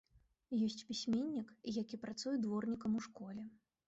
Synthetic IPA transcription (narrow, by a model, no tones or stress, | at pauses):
jɔsʲt͡sʲpʲisʲmʲenʲːikjakʲipɾat̪sujɛd̪vɔrnʲikɐmuʂkɔlʲɛ